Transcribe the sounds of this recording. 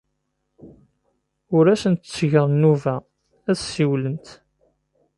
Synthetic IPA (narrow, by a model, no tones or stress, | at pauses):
ʊɾæsənt̪t͡sːʝəɾˤnːuvæ | æðsiwlənt̪